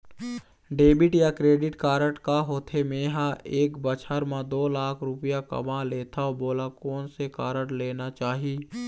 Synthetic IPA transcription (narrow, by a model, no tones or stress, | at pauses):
ɖeːbɪʈjakɾeːɖɪʈkaːɾəʈkaɦoːt̪ʰemẽːɦãʔeːkbət͡ʃʰəɾmãd̪oːlaːkʰɾʊpɪjakə̰mãleːt̪ʰaoboːlakɔːnsekaːɾəʈleːnat͡ʃaːɦiː